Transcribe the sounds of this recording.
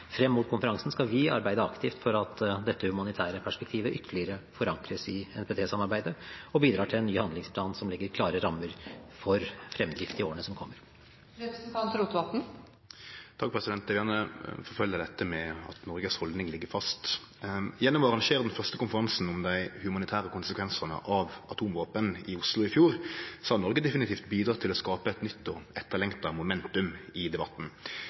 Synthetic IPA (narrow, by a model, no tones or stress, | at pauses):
fɾɛmːuːt̪̚kʰʊnfəɾɑŋsn̩skɑʋɪɑ̰ɾbæɪd̪əɑkt̪ʰɪft̪fɔɾɑt̪d̪ɛt̪ːəhʉmɑnɪt̪ʰæːɾəpʰæʂpɛk̚t̪ʰiːʋəʔʏt̪ʰːəlɪəɾəfɔɾɑŋkɾəsɪɛnpeːt̪ʰeːsɑmɑɾbæɪd̪əɔbiːd̪ɾɑːʈʰɪlɛnːyːhɑnd̪ɪŋspʰlɑːnsɔmlɪɡːəɾkʰlɑːɾəɾɑmːəɾfɔɾfɾɛmːd̪ɾɪft̪ɪoːənəsɔmkʰɔmːəɾ | ɾɛpɾɛsn̩t̪ʰɑnt̪ɾuːt̪ʋɑt̪n̩ | t̪ʰɑkpʰʁɛsɪd̪ɛnt̪d̪ɛɛjæʁnəfɔɾfœljəd̪ɛt̪ːəmɛɑ̰t̪nɔɾɡəshɔld̪nɪŋlɪɡːəɾfɑst̪ | jɛnːɔmɑʁɑŋʃeːʁd̪ɛnfœʁst̪əkʊnfəɾʁɑnsn̩ʊmd̪æɪhʉmɑnɪt̪ʰæːʁəkʊnsəkʰʋɛnsənə̰ʔɑʋɑt̪ʰuːmʋoːpənɪʊslʊɪfjuːʁsɑːnɔɾɡəd̪ɛfɪnɪt̪ʰiːft̪biːd̪ɾɑːt̪ʰɪlɔskɑːpəɛt̪nʏt̪ːɔɛt̪ːəlɛŋt̪ɑmʊmɛnt̪ʉmɪd̪ɛbɑt̪ːn̩